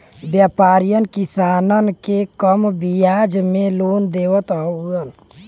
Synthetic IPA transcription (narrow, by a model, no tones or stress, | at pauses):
bjaːpaːɾijənkɪsaːnənkekəmbijaːd͡ʒmẽloːnd̪eːʋət̪oɡən